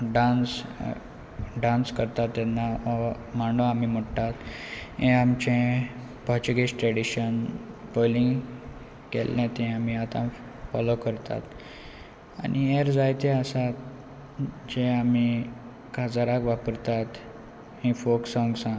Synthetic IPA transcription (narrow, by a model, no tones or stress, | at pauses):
ɖãns | ɖãnskəɾt̪at̪ːɛnːa | maɳɖoamiməɽtat̪ɦẽamt͡ɕẽ | pɔɾt͡ɕuɡeɕʈɾeɽiɕənpolĩŋɡ | kḛlːẽt̪ɛ̃amiat̪ã | fɔlokəɾt̪a̰t̪ | a̰nieɾd͡zajt̪eəsat̪ | d͡ʑeami | kad͡zaɾakʋapəɾt̪at̪ | hẽfoksɔ̃ŋɡsã